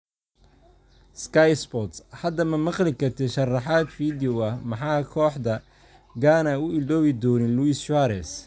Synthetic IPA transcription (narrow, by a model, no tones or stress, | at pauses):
skʰɐjspɔt̪shɐd̪ɐmɐmɑqlɪkʰɐrt̪ʰɛʃɐrɑħaːd̪fiːd̪ɐhmɑħɑːkʰɔːħd̪ɐ | ɡaːnɐʊɪld̪ɔːβɪd̪ɔːnɪnluisʃaɾɛs